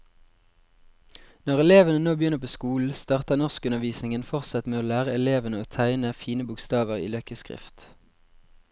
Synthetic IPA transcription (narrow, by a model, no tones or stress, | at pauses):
nɔʁɛleːʋənənoːbjʏnəʁpʰoːskuːl̩st̪ɑːʁt̪ənɔʁskʉnəʁʋiːsnɪŋənfɔʁtsɑt̪meːoːlæːʁəɛleːʋənəoːt̪ʰæɪnəfiːnəbʊkst̪ɑːʋəʁḭːlœkəskʁɪ̰ft̪